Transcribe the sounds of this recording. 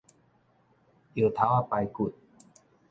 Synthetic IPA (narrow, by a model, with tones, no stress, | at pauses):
ʔi˧˩t̪ʰa˦˥wa˧˩pa˧jku˨˩t̪̚